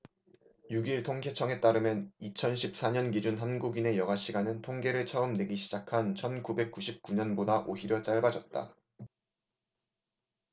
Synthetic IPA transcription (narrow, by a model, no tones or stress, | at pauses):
juɡiɭtʰoŋkʰe̞t͡ɕʰʌŋe̞t͈aɾɯmjʌnit͡ɕʰʌnɕʰip̚s͈aɲʌnɡid͡ʑunɦanɡuɡine̞jʌɡaɕ͈ʰiɡanɯntʰoŋɡe̞ɾɯɭt͡ɕʰʌɯmne̞ɡiɕʰid͡ʑakʰant͡ɕʰʌnkube̞k̚k͈uɕʰip̚k͈uɲʌnbodaʔoçiɾjʌt͡ɕ͈aɭbad͡ʑʌt̚t͈a̰